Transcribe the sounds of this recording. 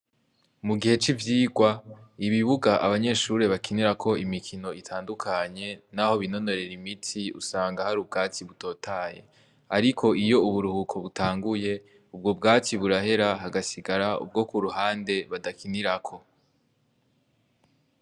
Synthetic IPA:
muɡihe̞t͡ʃivjiːɡwaiβiβuɡaʔaβaɲe̞ʃuɾe̞βakiniɾakʰo̞imikʰino̞itʰaːndukʰaɲe̞naho̞βino̞no̞ɾe̞ɾimitʰiṵsaːŋɡahaɾub̚ɡaːt͡siβuto̞ːtʰaje̞̰ | aɾikʰo̞ʔijo̞uβuɾuhukʰo̞βutʰaːŋɡuje̞ | ub̚ɡo̞b̚ɡaːt͡siβuɾahe̞ɾaɦaɡasiɡaɾaṵb̚ɡo̞kuɾuhaːnde̞βadakʰiniɾakʰo̞

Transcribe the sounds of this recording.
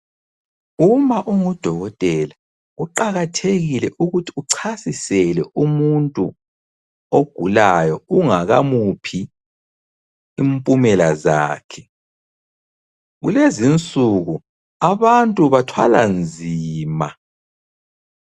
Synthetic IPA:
umaʔuŋud̥ʱɔɣɔtʼɛla | uǃaɣatʰeɣilɛʔuɣutʰi̥uǀʰasisɛlɛʔumuntʼu | oɡ̥ʱulajɔuŋaɣa̰mupʰi | impʼumɛlaza̰ːkʰɛ̥ | ɣṵlezint͡sʼuɣu | aβantʼuβatʰwa̰la̰nd͡zʱiːma̰

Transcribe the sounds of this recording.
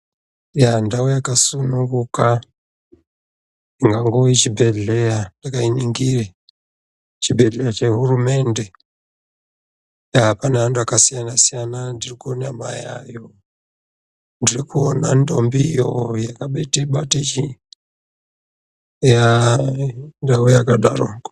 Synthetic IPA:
jandawojakasunuŋɡuka | iŋɡaŋɡoit͡ʃibʱe̞ɮejandakainiŋɡire | t͡ʃibʱe̞ɮejat͡ʃe̞ɦurume̞nde̞ | jaɦapanaanduakasijanasijanandirikuonama̰ja̰jo | ndirikuonando̞mbijojakaɓeteɓatet͡ʃi | ja | ndaejakaɗaro

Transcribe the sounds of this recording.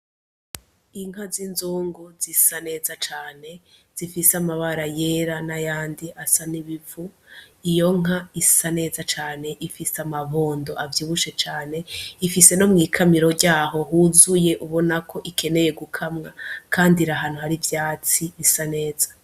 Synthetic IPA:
iŋ̥azinzuːŋɡuzisane̞ːzat͡ʃaːne̞z̥ifisamaβaɾaje̞ɾanajaːndiasaniβivuijo̞ŋ̥aisane̞ːzat͡ʃaːne̞ʔifiseamaβo̞ːndo̞ʔavjuːβuʃe̞t͡ʃaːne̞ifise̞no̞mŋiːkʰamiɾo̞ɾɟaːɦo̞ɦuzuje̞ʔuβo̞nakʰo̞ʔikʰe̞ne̞je̞ɡukʰamŋakʰaːndiɾaɦaːn̥huhaɾivjaːt͡siβisane̞ːzḁ

